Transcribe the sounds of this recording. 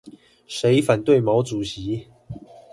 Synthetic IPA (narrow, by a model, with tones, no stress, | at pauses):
ʂe˨˦ɪfa˨˩nt̪we˥˨ɪmɑ˨˧˥ʊt͡su˨˩ɕi˨˦